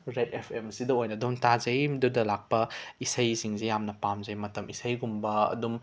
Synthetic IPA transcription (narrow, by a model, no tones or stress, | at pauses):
ɾetepʰemsidɐojnɐdontazɐjmdudɐlak̚pɐisɐjsiŋzejamnɐpamzɐjmɐtɐmisɐjɡumbɐɐ̰dum